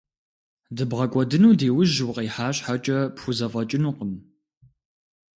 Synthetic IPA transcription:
dɨbʁɐkʷʼɔdɨnuːdeːwʊʒwqiːħaːɕʼħat͡ʃʼɐpxʷʊzɐfʼɐt͡ʃʼɪnuːqəm

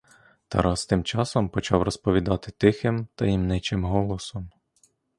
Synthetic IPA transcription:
t̪ɐ̰ɾɑst̪ɪmt͡ʃɑsɔmpɔt͡ʃɑwrɔspɔʋʲid̪ɑt̪ɪ̥t̪ɪxɪmt̪ɐjimnɪt͡ʃɪmɦɔlˠɔsɔm

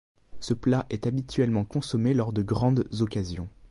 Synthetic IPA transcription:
səplaʔɛt̪abit̪ɥɛlmɑ̃kɔ̃sɔmelɔʁd̪əɡʁɑ̃d̪zɔkazjɔ̰̃

